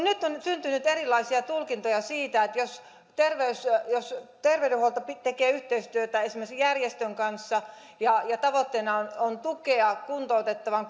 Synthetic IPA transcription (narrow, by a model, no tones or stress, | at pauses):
nyt̪ːonsynt̪ynyt̪erilːˑɑisiɑt̪ulkint̪ojɑsiːt̪æet̪jos | t̪erʋeysjost̪erʋedeholt̪ɑpit̪ekeːyht̪eist̪yøt̪æesimeksjærjest̪øŋkɑnsːɑ | jɑjɑt̪ɑʋot̪ːeːnɑonont̪ukeɑkunt̪out̪et̪ːɑʋɑŋ